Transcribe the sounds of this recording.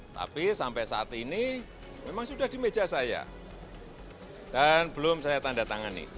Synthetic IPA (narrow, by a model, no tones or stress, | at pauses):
t̪a̰pisampɛʔsaat̪ini | memaŋsudahd̥i̤me̥d͡ʒasaja̰ | d̥anb̥əlʊmsajat̪andat̪aŋanḭ